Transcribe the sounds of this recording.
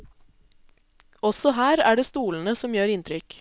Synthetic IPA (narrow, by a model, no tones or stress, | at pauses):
ɔsɔhæːɾæːɖeːst̪uːln̩əsɔmjøːɾɪnt̪ʰɾʏk